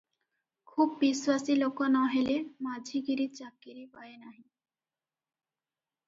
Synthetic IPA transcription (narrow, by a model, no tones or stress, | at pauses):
kʰubːiswasilokɔnɔɦelemad͡ʒʱiɡiɾit͡ɕakːiɾipaenaɦĩ